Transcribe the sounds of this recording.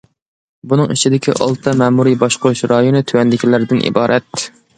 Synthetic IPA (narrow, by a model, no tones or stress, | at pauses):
bunɨŋit͡ʃʰid̪ɪkʲʰiʔɑ̰lˠt̪ʰɑmɛmuɾibɑʃqʰoɾuʃɾɑjonɨt̪ʰywɛnd̪ɪkʲʰilɪɾɪd̪ɪnʔḭbɑːɾʔɛt̪